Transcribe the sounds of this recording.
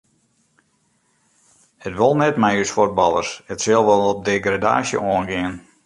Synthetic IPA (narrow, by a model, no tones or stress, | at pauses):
hətʋolˠnɛtmɛjysfot̚bɑlˠə̰rshətsɪlˠʋolˠɔp̚deɡrada̰ːsjə̰ʔoənɡɪən